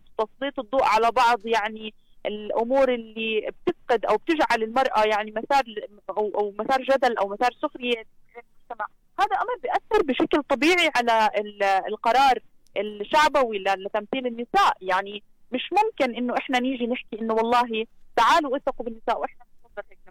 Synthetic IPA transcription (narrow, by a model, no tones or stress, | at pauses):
t̪ɑsˤliːt̪ˤɨd̪ˤːuːʔʕalabɑʕd̪ˤjaʕni | ʔɪlʔʊmuːɾʔɪlːib̚t̪ɪfqɪd̪ʔawb̚t̪ɪʒʕalɪlmɑɾˤʔajaʕnimasɑːɾˤ | ʔawʔawmasɑːɾˤʒad̪alʔawmasɑːɾˤsʊxɾɪjeʕeːklmʊʒt̪amaʕ | haːd̪aʔamɾˤbɪjʔaθːɪɾˤbɪʃaklt̪ˤɑbiːʕiʕalaɪlɪlqɑɾˤɑːɾˤ | ʔɪlʃaʕbawilalɪt̪amθiːlɪnːɪsaːʔjaʕni | mɪʃmʊmkɪnʔɪnːoʔɪħnaniːʒinɪħkiʔɪnːowɑlˤːɑːɦit̪aʕaːluwʔɪθɑqubɪnːɪsaːʔwʔɪħnamɪt̪fɑd̪ˤːɪlhek̚a